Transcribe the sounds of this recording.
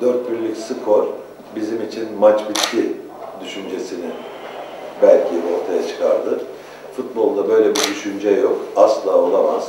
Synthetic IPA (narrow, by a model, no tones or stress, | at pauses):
d̪øɾt̪̚pʰyɾlʲicsɯkʰo̞ɾ | bizimit͡ʃʰinmat͡ʃbit̪cʰi | d̪yʃynd͡ʒe̞sinin | bælʲcʰio̞ɾt̪ʰajat͡ʃʰɯ̥kʰa̰ɾd̪ɯ | fut̪̚bo̞lˠd̪abø̞jlʲebid̪yʃynd͡ʒɛjo̞kaslˠaːo̞lˠamaz̥